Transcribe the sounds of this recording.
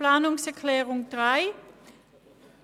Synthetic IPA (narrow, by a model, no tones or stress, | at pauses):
laːnʊŋsɛɐkʰlɛːʁʊŋd̥ʁaɪ